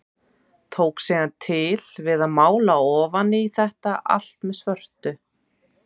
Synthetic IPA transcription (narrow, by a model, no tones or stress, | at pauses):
t̪ʰoːwksiɣant̪ʰɪlvɪðaðmaːwlaɔːvanːɪiθɛht̪aʔa̰l̥t̪mɛðsvœr̥t̪ʏ